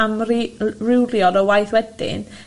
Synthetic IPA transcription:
amrirɪwljɔdɔwajθwɛdɪ̰n

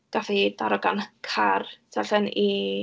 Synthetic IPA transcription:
ɡ̥afidaɾɔɡanəkʰarsʰɛɬɛni

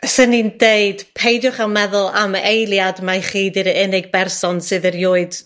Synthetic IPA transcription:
sənindeɨd̥pʰejdjʊχalˠmɛðʊlˠamejlˠjadmaχiːdɨɾɪnɪɡ̚bɛrsɔnsɨðərjʊːɨd̥

